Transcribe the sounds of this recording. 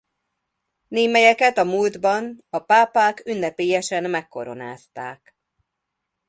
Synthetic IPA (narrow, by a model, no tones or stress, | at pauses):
neːmɛjɛkɛt̪ɒmuːld̪bɒnɒpaːpaːkynːɛpeːjɛʃɛnmɛkːo̞̰ɾo̞na̰ːst̪aːk